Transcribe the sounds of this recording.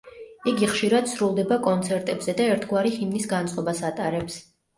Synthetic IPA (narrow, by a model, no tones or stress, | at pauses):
iɡiχʃiɾad̪̥sɾulˠd̪ɛbakʼɔnt̪sʰɛɾt̪ʼɛbz̥ɛd̪aɛɾt̪ʰɡwaɾiχimnisɡant̪sʼqʼɔbasat̪ʼaɾɛps